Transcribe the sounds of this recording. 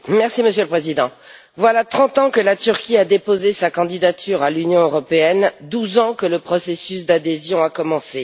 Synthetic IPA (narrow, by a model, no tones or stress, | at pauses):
mɛʁsiməsjøləpχezid̪ɑ̃ | vwalat̪χɑ̃t̪ɑ̃kəlat̪yʁkʲiad̪epozesakɑ̃d̪id̪at̪ʰyʁalynjɔ̃øʁɔpeɛnd̪uzɑ̃kələpχɔsesysd̪ad̪ezjɔ̃akɔmɑ̃se